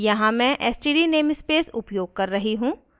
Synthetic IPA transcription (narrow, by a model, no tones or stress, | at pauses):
jɐɦãmɛ̃ʔɛːsʈiːɖineːmspeːsʊpjoːɡ̚kɐɾːɐɦiɦũː